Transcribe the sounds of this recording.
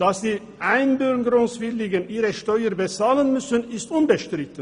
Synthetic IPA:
d̥asd̥iː | ʔaɪnbʏɾɡəɾʊŋsvɪlɪɡənʔiːɾəʃtɔʏəɾbət͡saːlənmʏsənɪstʊnbəʃtɾɪt̪ə

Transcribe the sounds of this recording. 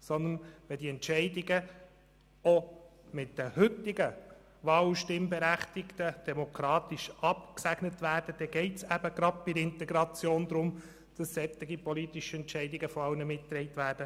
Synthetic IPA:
sɔnd̪ənʋɛld̪iɛntt͡ʃɛɪdɪɡə | ɔmɪtːəhɵt̪ːɪɡə | ʋɑːlʃtɪmbɛɾæχt̪ɪkt̪əd̥ɛmokʰɾɑːt̪iʃɑpksæɡ̥nətʋæːrd̥əd̥ɛɡ̥ɛɪtsæbəɡ̥ɾɑd̚pɪdəɪnt̪ɛɡɾɑt͡sjoːnd̪ɾʊm | d̥ɑsːɛt̪ːɪɡipɔlit̪iʃəɛntʃɛɪdɪɡəfɔɑwnəmɪttɾɛɪt̪ʋæːɾd̥ə

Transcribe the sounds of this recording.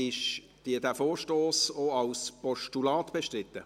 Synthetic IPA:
ɪʃ | d̥iədæfoːɾʃtoːsoɑlspɔʃtulɑːt̪b̥eʃtrɪt̪ːə

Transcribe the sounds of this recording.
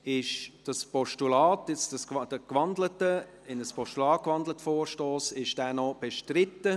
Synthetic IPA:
ɪʃd̥ɑspɔʃtulaːtjɛt͡sdɑsd̥əkvɑndlətə | ɪnəspʰɔʃtulɑːt̚kvɑndlətfoːrʃtoːsɪʃd̥æːnɔb̥eʃtrɪtːə

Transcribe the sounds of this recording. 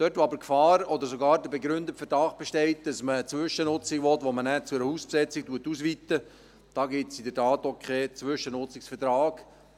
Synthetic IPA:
d̥œtʋoɑbəɾkfɑːɾɔd̪əɾsoɡɑːɾdəbɛɡɾʏnd̪ətfɛtɾɑːχb̥ɛʃtɛɪt̚d̥ɑsmət͡sʋʏʃənʊt͡siʋɔt̪ʋomənæːt͡suɛɾəhuːspsɛt͡sik̚tuətːusʋit̪ːə | d̥ɑːɡɪtsidətɑːt̪okʰχɛːt͡sʋʏʃənʊt͡sɪksfəɾtɾɑːɡ̥

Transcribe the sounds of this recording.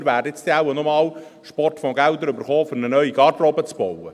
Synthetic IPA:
ɾʋæːɾdəɪt͡st̪eawənɔmɑːlʃpɔrtfɔɡæld̪əɾʏbəɾχoːfʏɾnənœɥiɡɑɾdrɔbət͡sb̥ɔwə

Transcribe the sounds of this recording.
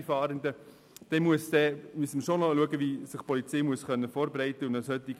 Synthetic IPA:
fɑːɾənd̪ə | d̥ɛmuəsd̥̪ɛmyəsməʃonɔluəɡəʋisɪχpɔlit͡seɪjmuəsχœnːəfɔːɾbɾɛɪt̪əʊndɑshœt̪ːiɡ

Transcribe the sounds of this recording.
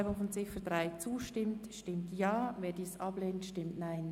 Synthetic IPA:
bʊŋfɔnt͡sɪfədʁaɪt͡suːʃtɪmtʃtɪmtjɑːveːdiːsʔɑb̥leːnənʃtɪmtnaɪn

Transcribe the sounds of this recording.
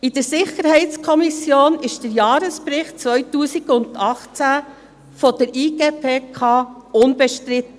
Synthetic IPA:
ɪd̥əɾsɪχəɾhɛɪt͡skʰɔmisjoːnɪʃd̥əɾjɑːɾəspɾɪχt̚t͡sʋœʏtuːsiɡʊndɑχt͡sæ | fɔd̥əɾiːɡeːpʰeːkʰɑːʊnbɛʃtɾɪt̪ə

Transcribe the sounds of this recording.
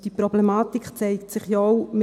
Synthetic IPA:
d̥iprɔblɛmaːtikχt͡sɛɪktsɪχjɔwmɪ

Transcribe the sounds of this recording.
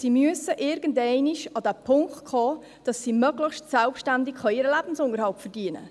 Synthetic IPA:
siːmyəsəʔɪɾɡ̥əndɛɪniʃɑd̥æpʰʊŋktkʰχɔː | d̥ɑsːiːmœɡləχʃtsɛlpʃtændɪkχɑiːɾəlæb̥n̩sʊŋəɾhɑlpfəɾd̥iənə̰

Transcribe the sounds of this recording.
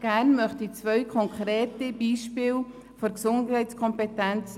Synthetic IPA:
ɡ̥ænmœχtit͡svœʏkʰɔŋkʰɾeːtibiːʃpɪːl | fɔɾksʊndhɛɪtskʰɔmpetɛnt͡s

